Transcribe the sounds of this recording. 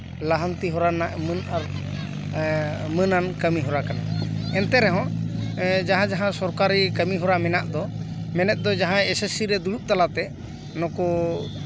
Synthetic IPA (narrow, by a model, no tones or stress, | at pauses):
laɦənt̪iɦɔɾanaʔmənaɾ | mənankəmiɦɔɾakana̰ɛnt̪ɛɾɛɦɔ̃ | d͡ʒaɦãd͡ʒaɦãsɔɾkaɾikəmiɦɔɾamɛnaʔd̪ɔmɛnɛt̪̚ˀd̪ɔd͡ʒaɦãɛsɛsiɾɛd̪uɽuʔ̚t̪alat̪ɛ | nɔkɔ